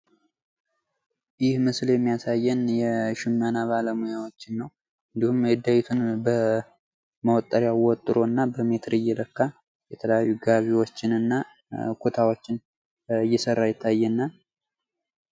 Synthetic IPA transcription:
jɪhmɨsljɛmːijasajːɛnjɛʃɪmːanaβaləmujawot͡ʃːɪnːəw | ʔɨnd̪ihumjɛd̪ajɪt̪ʰunbə | məwt̪ʼːəɾjawwɔt̪ʼːɨɾo̞ɨnːabəme̞t̪ʰɾɨjːɛləkːa | jɛt̪ʰələjajːuɡaβiwot͡ʃːɪnɨnːa | kʰut̪ʰawo̞t͡ʃːɪn | ɨjːɛsərːajɪt̪ʰːajːɛnːa

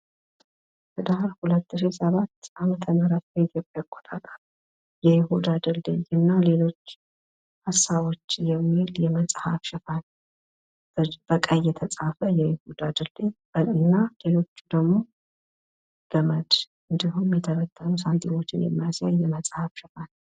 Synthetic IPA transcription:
bəd̪ahɾhulət̪ːɨʃisəβat̪ːʔamət̪ʰəməɾat̪̚bəit̪ʰjo̞pʼjakʼːɔt̪ʼat̪ʼal | jɛjɪhud̪ad̪ɨld̪ḛjɨnːale̞lo̞t͡ʃː | hasːaβo̞t͡ʃːjɛmːiiljɛməsʼhafʃɪfan | b̥b̥əkʼəjːɛt̪ʰət͡sʼafəjɛjɪhud̪ad̪ɨld̪ejbəɨnːale̞lo̞t͡ʃːud̪əɡmo̞ | ɡ̥əməd̪ʔɨnd̪ihumjɛt̪ʰəβət̪ʰʼːənusant̪ʰʼiwot͡ʃːɪnjɛ̰mːajazjajːɛməsʼhafʃɪfan

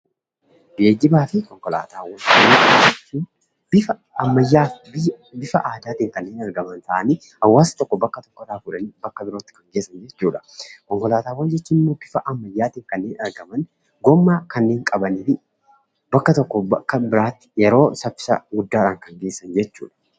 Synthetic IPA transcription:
ɡe̞ːɡɪbaːfɪkɔŋkɔla̰ːt̪aːwːɐnd͡ʒɛoːd͡ʒɛt͡ʃːiːn | bɪfɐ | ɐmːɐjːaːbɪ | bɪfɐʔaːd̪aːt̪iːŋkɐnːeːnɐɾɡɐmɐnt̪ɐʔɐni | hɐwːaːsɐ̥t̪ɔkːɔbɐkːɐt̪ɔ̥kːɔᶑaːfʊᶑɐniːbɐkːɐbɪɾo̞ːt̪ːɪ̥kɐŋɡeːsːɐnd͡ʒɛt͡ʃːuːᶑɐ̥kɔŋkɔlaːt̪aːwːɐnd͡ʒɛt͡ʃːuːnɪmːoːbɪfɐʔɐmːɐjːaːt̪iːŋkɐnːe̞ːnɐɾɡɐmɐn | ɡɔmːaːkɐnːeːŋkʼɐbɐninɪ | bɐkːɐt̪ɔkːɔbɐkːɐbɪɾaːt̪ːɪ̥jɛɾo̞ːsɐfɪ̥sɐ̰ɡʊd̪ːaːᶑaːŋkɐŋɡe̞ːsːɐnd͡ʒɛt͡ʃːṵːᶑɐ̥

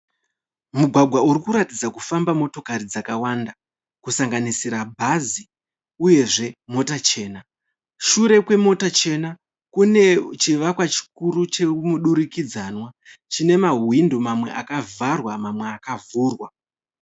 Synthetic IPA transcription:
muɡʱwaɡʱwauɾikuɾatid͡zakufambamo̞to̞kaɾid͡zakawanda | kusaŋɡanisiɾabʱazi | uje̞ʐe̞mo̞tat͡ʃe̞ːna | ʃuɾe̞kwe̞mo̞tat͡ʃe̞na | kune̞t͡ʃiʋakwat͡ʃi̥kuɾut͡ʃe̞muɗuɾikid͡zanwat͡ʃine̞maɦwindomamwe̞̰ʔakavarwamamwe̞akavuːrwa

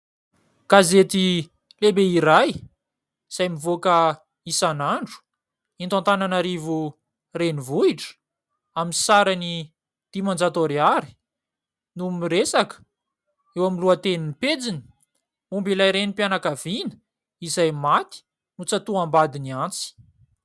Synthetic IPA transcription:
kazet̪i | lebeiɾaj | z̥ajmivokə | isanaɳɖ͡ʐu̥ | int̪ant̪ananaɾivu | renivuiʈ͡ʂə̥ | aminsaɾani | d̪̥imand͡zat̪oɾiaɾi̥ | numiɾesakə̥ | ewamiluat̪eniniped͡zini̥ | umbilajɾenipjanakavinə̥ | izajmat̪i̥ | nut͡sat̪uambad̪iniant͡si̥

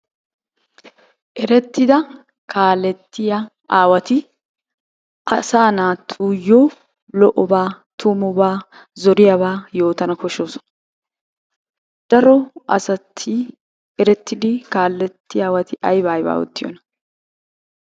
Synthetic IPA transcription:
ʔɛɾɛt̪ːɪd̪ɐ | kʰaːlɛt̪ːɪjɐ | ʔaːwɐt̪ɪ | ʔɐsaːnaːt̪ʰːuːjːoː | lɔʔɔbaː | t̪ʰumɔbaː | zɔɾɪjɐβaːjo̞ːt̪ɐnɐkɔʃoːsɔ̥nɐ | d̪̥ɐɾɔʔɐ̰sɐt̪ʰːɪ | ɛɾɛt̪ːɪd̪ɪkaːlːɛt̪ːɪjaːwɐt̪ɪʔɐjbaːjba̰ːwɔ̰t̪ːɪjɔ̰nɐ

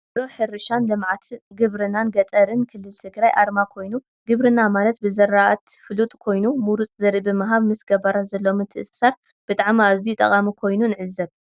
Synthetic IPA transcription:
bɾoħɨɾɨʃanlɨmʕat̪ʰɡɨβɾɨnanɡɐt̪ʼɐɾɨnkʰɨlːɨlt̪ʰɨɡɾajʔaɾmakʰo̞jnu | ɡɨβɾɨnamalɐt̪̚bɨzɐɾaʔat̪fɨlut̪ʼkʰo̞jnumuɾut͡sʼzɐɾibɨmɐɦaβmɨsɡɐbaɾat̪zɐlːo̞mɨt̪ʰɨʔsʼsaɾ | b̥ɨt̪ʼaʕmiazijut̪ʼɐχʼamikʰo̞jnunɨʕɨzɐβ

